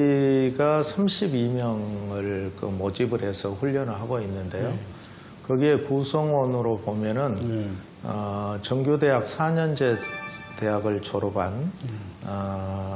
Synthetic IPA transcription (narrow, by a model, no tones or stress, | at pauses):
iɡasʰamɕʰibimjʌŋɯɭkɯmod͡ʑibɯɾɦe̞sʰʌɸuʎːʌnɯɭɦaɡoinːɯnde̞jo | kʌɡie̞kusʰʌŋwʌnɯɾopomjʌnɯn | ʌt͡ɕʌŋɡjode̞ɦak̚sʰaɲʌnd͡ʑe̞te̞ɦaɡɯɭt͡ɕʰoɾoban | ʌ